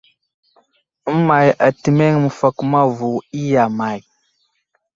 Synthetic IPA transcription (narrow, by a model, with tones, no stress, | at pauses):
ma˨ja˨ti˨me˦ŋmə˨fa˨kma˦vu˨i˦ja˨ma˨j